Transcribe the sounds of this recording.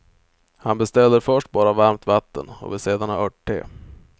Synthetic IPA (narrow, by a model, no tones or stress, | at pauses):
hanbɛst̪ɛlːəɾfœʂʈ̚bɑːɾavaɾmt̪vat̪ːə̰nɔ̰vɪseːd̪anaœʈ̚ʈʰːḛː